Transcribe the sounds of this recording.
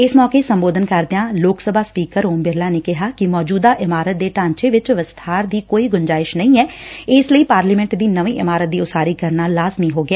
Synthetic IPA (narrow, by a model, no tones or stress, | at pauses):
ɪsmɔːkeːsəmboːd̪ənkəɾd̪ɪãːloːksəbaːspiːkəɾoːmbɪɾlaːneːkɪɦaːkɪmɔːd͡ʒuːd̪aːʔɪmaːɾət̪̚d̪eːʈãːɲt͡ʃeːʋɪt͡ʃʋəst̪ʰaːɾd̪iːkoːiːɡʊɲd͡ʒaːɪʃnəĩːɛːɪsləiːpaːɾliːmɛ̃ɳʈd̪iːnəʋiːʔɪmaːɾət̪̚d̪iːʊsaːɾiːkəɾnaːlaːzmiːɦoːɡɪaː